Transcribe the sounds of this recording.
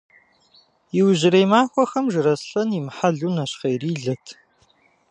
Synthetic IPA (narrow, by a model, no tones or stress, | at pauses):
jɪwʑɪɾejmaːxʷɔxɐmʒɨɾɐsɬɐnimħaɮuːnɐɕqejriːɮɐtʰ